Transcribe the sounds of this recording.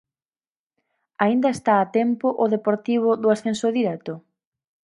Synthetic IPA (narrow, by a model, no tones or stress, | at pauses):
aind̪ɐest̪aːt̪ɛmpʊʔʊðepoɾt̪iβ̞ʊðʊasθensʊðiɾɛt̪ʊ